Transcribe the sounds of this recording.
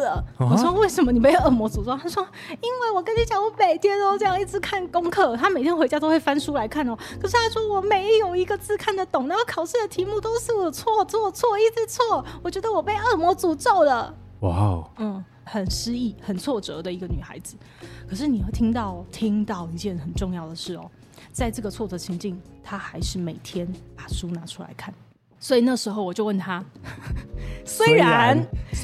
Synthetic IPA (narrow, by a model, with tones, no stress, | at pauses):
wɔ˨˩ʂwɔ˥we˥˩ɪʂə˨˥nmə˧ni˨˩pe˥˧ɪə˥˩mwɔ˧˥t͡su˨˩t͡sɔ˥˧˩t̪ʰa˥ʂwɔ˥ | i˥nwe˥˩ɪwɔ˨˩kə˥nʰy˧˥t͡ɕjɑ˨˩ʊu˥˩pe˨˩ɪt̪jɛ˥t̪o˥ʈ͡ʂɤ˥˧jɑ˥˧ŋi˥˩t͡sɹ̩˧˥kʰa˥˩nkʊ˥ŋkʰɤ˥˩t̪ʰa˥me˨ɪt̪ʰjɛ˥nxe˧˥ɪt͡ɕa˥t̪o˥we˥˩ɪfa˥nʂu˥la˧˥ɪkʰa˥˩n˨ɔ˨˩kʰɤ˨˩ʂɻ̩˥t̪ʰa˥ʂwɔ˥wɔ˨˩me˧˥ɪjo˨˩ʊi˧˥ɡə˧t͡sɹ̩˥˧kʰa˥˩nd̪ə˩t̪ʊ˨˩ŋna˧˥kʰɑ˨˩ʊʂɻ̩˥˩d̪ə˩t̪ʰi˧˥mu˥˧t̪o˥ʊʂɻ̩˥˩wt͡sʰwɔ˥˩t͡swɔ˥˩t͡sʰwɔ˥˩i˥˩t͡sɹ̩˥˩t͡sʰwɔ˥˩wɔ˨˩t͡ɕɥɛ˧˥d̪ə˧wɔ˨˩pe˥˧ɪə˥˩mwɔ˧˥t͡su˨˩t͡so˥˩ʊd̪ə˩ | wa˥˩n̩˥˩ | hə˨˩nʂɻ̩˥i˥˩xə˨˩nt͡sʰwɔ˥˩ʈ͡ʂɤ˧˥d̪ə˨i˧˥ɡə˧ny˨˩xa̰˧˥ɪd͡zɹ̩˨˩ | kʰɤ˨˩ʂ̬ɻ̩˥˩ni˨˩xt̪ʰi˥ŋt̪ɑ˥˩ʊ˩t̪ʰi˥ŋt̪ɑ˥˩ʊi˧˥t͡ɕjɛ˥˩xə˨˩nʈ͡ʂʊ˥˧ŋjɑ˥˩ʊd̪ə˩ʂɻ̩˥˩ɔ̰˨˩ | t͡sa˥˧ɪʈ͡ʂɤ˥˩ɡə˩t͡sʰwɔ˥˩ʈ͡ʂɤ˧˥t͡ɕʰi˧˥ŋt͡ɕi˥˨˩ŋt̪ʰa˥xa˧˥ɪʂɻ̩˥˩me˨˩ɪt̪ʰjɛ˥npa˨˩ʂu˥na˧˥ʈ͡ʂʰu˥la̰˧˥ɪkʰa˥˩n | swɔ˧˥i˨˩na˥ɡʂɻ̩˧˥xo˥ʊwɔ˨˩t͡ɕjo˥˧ʊwə˥˩nt̪ʰa˥ | swe˥ɪɻa˧˦˥n